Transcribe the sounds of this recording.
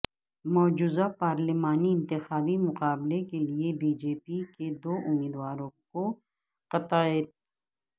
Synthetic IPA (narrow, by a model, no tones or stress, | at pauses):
mɔːd͡ʒuːzapaːɾlimaːniɪ̃nt̪ɪxaːbimʊqaːblekeliebiːd͡ʒeːpiked̪oːʔʊmiːd̪ʋaːɾõko | qɐt̪aeːt̪